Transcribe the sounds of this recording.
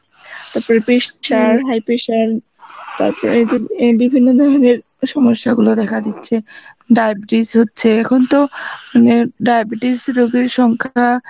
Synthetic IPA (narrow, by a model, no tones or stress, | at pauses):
t̪aɾpoɾepeʃʃaɾɦajpeʃaɾ | t̪a̰ɾpoɾed͡ʑebibʱinːod̪ʱɔɾoneɾ | ʃɔmoʃːaɡulod̪ɛkʰad̪itːɕʰe | ɖajbʈisɦotːɕʰeɛkʰont̪omaneɖajbʈisɾoɡeɾʃɔŋkʰa